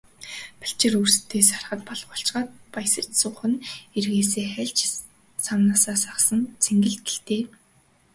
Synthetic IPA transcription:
pḁɬt͡ɕɪ̆rurst̪ʰːeːsarχə̆t̪̚pɔɮɢɔɬt͡ɕɢaːt̪̚pajsə̆t͡ɕsʊχə̆nerɣeːseːχæɮt͡ɕ | samnaːsaːsaχsə̆nt͡sʰeŋɡɘ̆ɮt̪ɘ̥̆ɬt̪eː

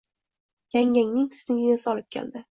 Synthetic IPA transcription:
jaŋʲaŋnɪŋsɪ̥t̪ɪŋɪnɪsɒlɪp̚kʲʰḛld̪ɪ

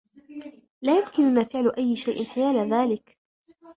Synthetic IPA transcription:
laːjʊmkɪnʊnaːfɪʕlʊʔajːɪʃajʔɪnħɪjaːlaðaːlɪk

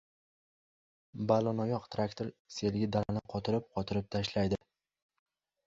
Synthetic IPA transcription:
balɒnɒjɒqt̪ʰɾakt̪ʰoɾse̞lɡʲɪd̪aɾanɪqʰɒt̪ʰɪɾɪp̚qʰɒt̪ʰɪɾɪp̚t̪ʰaʃlajd̪ɪ

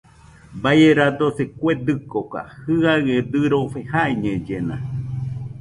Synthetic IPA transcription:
bajeɾad̪osekʷed̪ɨkoka̰hɨaɣed̪ɨɾofehaeɲẽd͡ʒenã̰

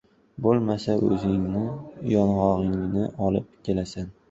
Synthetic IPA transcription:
bolˠmasaʔɵ̰zɪŋnɪjɒnʁɒʁɪŋnɪʔɒlˠɪp̚kʲʰe̞lasan

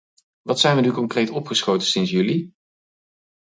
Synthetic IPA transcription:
ʋɑtsɛjnʋənykɔŋkrejtɔpχəsχowtənsɪnsjʉli

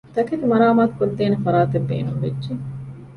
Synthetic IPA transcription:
t̪ɐket̪imɐɾaːmaːt̪u̥kod̪ːeːnefɐɾaːt̪ebːḛːnuŋʋedːd͡ʒe

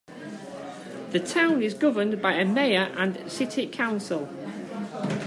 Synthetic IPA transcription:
ðətʰãʊ̃nɪzɡʊvə̃nbaɪəmeɪəɹʔə̃nsɪtʰɪkʰãʊ̃nsɪlˠ

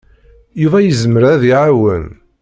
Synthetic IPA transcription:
juvæjəzməɾæðiʕawən

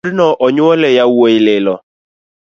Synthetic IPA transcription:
dnɔʔɔɲʊɔlɛjawoilɪlɔ

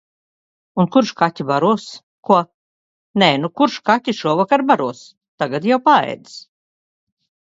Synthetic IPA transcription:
unkuɾʃkat̪ʲibaɾuɔs | kuɔ | nɛnukuɾʃkatʲːiʃuɔvakaɾbaɾuɔs | t̪aɡat̪jawpaɛ̰jd̪s

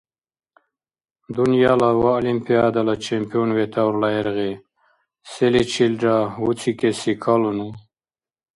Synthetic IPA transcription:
d̪unijalawaolimpijad̪alat͡ʃʰempijonwet̪awɾlaeɾɣe | selit͡ɕʰilɖɾaut͡sʰikesikʰalunu

